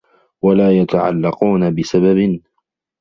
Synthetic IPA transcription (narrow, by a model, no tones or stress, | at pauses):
walaːjat̪aʕa̰lːɑquːnabɪsababɪn